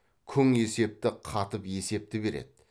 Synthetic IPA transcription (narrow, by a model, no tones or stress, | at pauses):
kʲʰʏŋe̞se̞p̚t̪ɪqʰɑt̪əpje̞se̞p̚t̪ɪbe̞ɾḛd̪̥ɪ